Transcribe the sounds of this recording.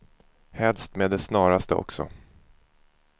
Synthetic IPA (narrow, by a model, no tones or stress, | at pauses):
hɛlst̪meːd̪ɛsnɑːɾast̪əɔ̰ksɔ̰